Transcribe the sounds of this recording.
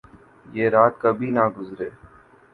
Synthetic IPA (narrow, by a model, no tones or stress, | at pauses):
jeːɾaːt̪kəbʱiːnaːɡʊzɾeː